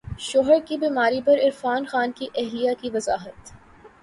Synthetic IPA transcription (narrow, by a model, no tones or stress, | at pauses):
ʃoːɦəɾkibiːmaːɾipɐɾɪɾfaːnxaːnkiʔɛɦlijakiʋɐzaːɦət̪